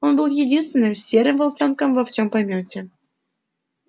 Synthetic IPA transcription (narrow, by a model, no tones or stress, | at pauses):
onbɨlˠjedʲinst̪vʲɪnːɨmʲfsʲeɾʲɘmvolˠt͡ɕɑnkɑmvɑft͡ɕompɑmʲotʲe